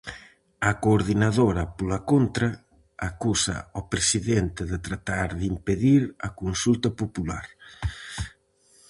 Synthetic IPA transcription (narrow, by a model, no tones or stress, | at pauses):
ɐkoɾðinaðoɾɐpolakont̪ɾa | akusa̰opɾesiðent̪eðet̪ɾat̪aɾðimpeðiɾɐkonsult̪ɐpopulaɾ